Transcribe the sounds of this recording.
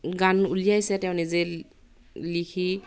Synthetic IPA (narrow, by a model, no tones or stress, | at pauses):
ɡanulijajsɛtɛʊ̃nize | likʰi